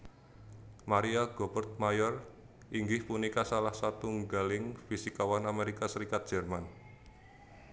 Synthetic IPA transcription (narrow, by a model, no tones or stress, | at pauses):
maɾiaɡ̥ɔbərt̪̚majɔr | ʔiŋɡɪhpunikasalahsat̪uŋɡalɪŋfisikawanameɾikasəɾikat̪̚d̥ʒ̥ɛ̤rman